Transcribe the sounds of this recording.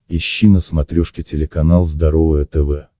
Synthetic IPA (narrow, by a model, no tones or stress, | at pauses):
ɪɕːinəsmɐt̪ɾʲoʂkʲɪtʲɪlʲɪkɐnalˠzd̪ɐɾo̞vəjət̪ɛvɛ